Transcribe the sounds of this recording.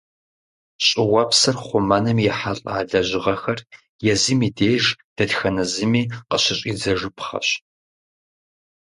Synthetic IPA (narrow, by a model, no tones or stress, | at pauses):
ɕʼɪwɐpsɐrχʷʊmanɨmjɛħaɬʼa̰ːɮɐʑɪʁɐxɐr | jɛzɨmiːdeːʒd̥ɐdxɐnɐzɨmiːqəɕɪɕʼid͡zɐʐɨpʰχɐ̰ɕ